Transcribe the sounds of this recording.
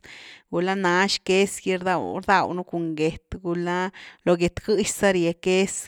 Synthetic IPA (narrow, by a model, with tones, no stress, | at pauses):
ɡu˨la˦na˨˦ʃke˦sɡi˧ɾd̪a˧wɾd̪a˧wnu˦ku˨ŋɡe˨t̪ɡu˧la˦lo˨˧ɡe˨t̪ɡɨ˦ʃsa˦ɾje˧ke˦s